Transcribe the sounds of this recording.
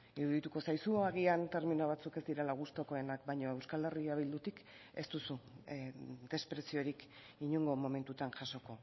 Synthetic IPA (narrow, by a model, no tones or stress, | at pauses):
iɾuðit̪uko̞sajsuaɣ̞iant̪e̞ɾminoβat͡suke̞zd̪iɾelaɣ̞ust̪o̞ko̞e̞nakbajɲo̞e̞wskale̞riaβ̞ild̪ut̪ik | e̞st̪usu | d̪e̞spɾe̞sio̞ɾik | iɲuŋɡo̞mo̞me̞nt̪ut̪anʝaso̞ko̞